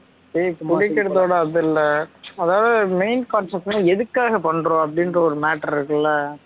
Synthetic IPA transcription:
seːkʊɽɪkːɐɽɐt̪oːɽɐɐðɐɪlːɐɐðaːʋðɯmeɪnkaːnsɐk̚ʈnãɛðɯkːaːɣɐpɐɳːɾõːɐp̬ːɐɽɪnrɐɔɾɯmaːʈːɐɾɪɾɯkːɐlːɐ

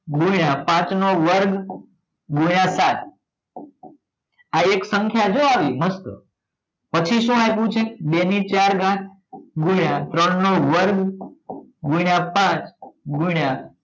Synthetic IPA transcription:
ɡuiɽapãt͡ʃnoʋəɾɡ | ɡuiɽ̃ãsat̪̚ʰ | aeksə̃ŋkʰjad͡ʒoaʋiməst̪o̰ | pət͡ʃʰiʃũapũt͡ʃʰebenit͡ʃaɾɡãk̚ʰ | ɡuɽãt̪ɾəɳnoʋəɾɡ | ɡuɽapãt͡ʃɡuɽa

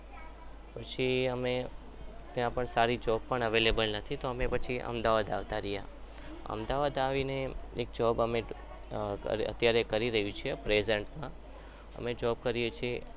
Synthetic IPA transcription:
pət͡ʃʰiəme | t̪jãpəɳsaɾid͡ʒɔbpːəɳəʋelebəlnət̪ʰit̪oəmepət͡ʃʰiʔə̰md̪aʋad̪aʋt̪aɾija | ə̰md̪aʋad̪aʋineek̚d͡ʒɔbəme | ə̰ɾə̰t̪jaɾekəɾiɾəɦjũt͡ʃʰiepɾezəɳʈmã | ə̰med͡ʒɔb̚kəɾijet͡ʃʰie

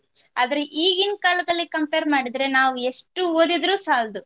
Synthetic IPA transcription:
aːd̪ɐɾeʔiːɡinkaːlɐd̪ɐlːikɐmpeːɾmaːɽid̪ɾe̞naːʋue̞ʂʈːuoːd̪id̪ɾuːsaːld̪u

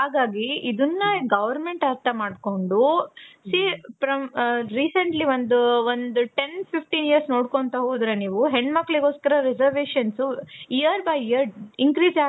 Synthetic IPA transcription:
ɦaːɡaːɡiid̪unːɐɡɐʋɐɾmeɳʈɐɾt̪ʰɐmaːɖko̞ɳɖusiːpɾɐmɾiːsɐɳʈliʋond̪uond̪uʈenpʰipʈiːnijɐɾsnoːɽkoɳt̪ɐɦoːd̪ɾeniːʋuɦeɳɖmɐkːɭiɡo̞ːskɐɾɐɾɛd͡ʒɐɾʋeːʃɐnsuijɐɾbɐjiɐɾiŋkɾiːsaː

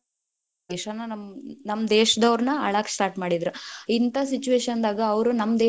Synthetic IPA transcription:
ɡiʂɐnɐnɐmnɐmːd̪eːʃɐd̪ɐʋɾnɐɐ̰ɭaːksʈaːɾʈmaːɽid̪ɾuint̪ɐsit͡ʃuʋeːʃɐnd̪aːɡɐːʋɾunɐmːd̪eː

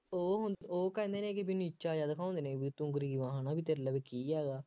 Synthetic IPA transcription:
oːɦʊnd̪oːkɛːnd̪eːnẽːkibiniːt͡ʃaːd͡ʒaːd̪akʰãːõnd̪eːneːbiːt̪ʊ̃ŋɡɾiːʋãːɦanaːbiːt̪eːɾləːbekiːɦɛːɡaː

